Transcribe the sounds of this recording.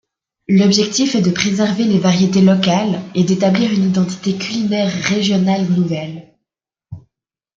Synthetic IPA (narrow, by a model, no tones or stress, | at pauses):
lɔbʒɛk̚t̪ifɛd̪əpχezɛʁvelevaʁjet̪elɔkaled̪et̪abliʁynid̪ɑ̃t̪i̥t̪ekʲylinɛʁːeʒjɔnalnuvɛl